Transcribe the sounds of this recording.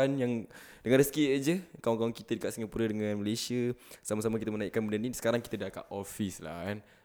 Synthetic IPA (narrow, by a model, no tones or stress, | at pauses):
anjaŋdəŋãnɾəskid͡ʒəkawaŋkawaŋkit̪ədəkat̪ʔ̪̚siŋapuɾədəŋãnməlesiəsamasamakit̪əmənaiʔkanmənanisə̥kaɾaŋki̥t̪ədaka̰ʔofisla̰hkan